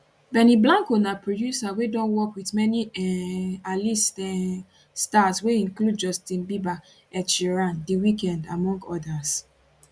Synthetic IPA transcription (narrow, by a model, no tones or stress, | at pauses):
bɛniblãŋkonapɹodjusawedɔ̃nwɔkwiθmɛni | alistɛ | stasweĩŋklud̚d͡ʒɔstĩnbiba | ɛt͡ʃiɹãndiwikɛ̃nda̰mɔ̃ŋɡɔdas